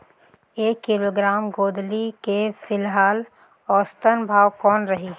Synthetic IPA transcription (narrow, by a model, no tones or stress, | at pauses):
eːkːɪloːɡɾaːmɡoːd̪likefɪlɦaːl | ɔːst̪ənbʱaːwkɔːnɾɐɦiː